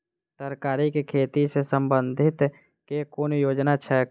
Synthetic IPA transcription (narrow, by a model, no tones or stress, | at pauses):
t̪əɾkaːɾikekʰeːt̪isesə̃mbənd̪ʱɪt̪ | kekoːnjoːd͡ʒnat͡ʃʰɛ